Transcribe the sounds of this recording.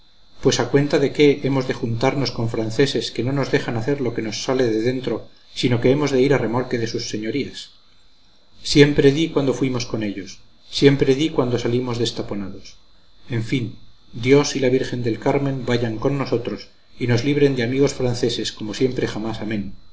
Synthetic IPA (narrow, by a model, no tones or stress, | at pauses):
pwe̞sakwe̞nt̪aðe̞ke̞ʔemo̞zðe̞xunt̪aɾno̞sko̞ɱfɾanθe̞se̞ske̞no̞no̞zðe̞xanaθe̞ɾlo̞ke̞no̞sːale̞ðe̞ðe̞nt̪ɾo̞ | sino̞ke̞emo̞zðe̞iɾare̞mo̞lkeðe̞susːe̞ɲo̞ɾias | je̞mpɾe̞ðikwand̪ofwimo̞sko̞ne̞ʎo̞sː | je̞mpɾeðikwand̪o̞salimo̞zðe̞st̪apo̞naðos | e̞ɱfind̪jo̞silaβiɾxe̞nd̪e̞lkaɾmẽ̞mbaʝaŋko̞nːo̞so̞t̪ɾo̞s | ino̞zliβ̞ɾe̞nd̪eamiɣo̞sfɾanθe̞se̞sko̞mo̞sje̞mpɾe̞xamasamẽ̞n